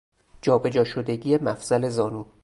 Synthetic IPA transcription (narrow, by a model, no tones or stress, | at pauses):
d͡ʒɒːbe̞d͡ʒɒːʃod̪e̞ɟiːemæfz̥æle̞zɒːnu